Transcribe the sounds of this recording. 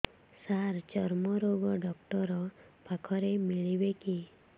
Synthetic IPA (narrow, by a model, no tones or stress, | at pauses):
saɾt͡ʃɔɾmɔɾoɡɔɖɔkʈɔɾɔpakʰɔɾemiɭibeki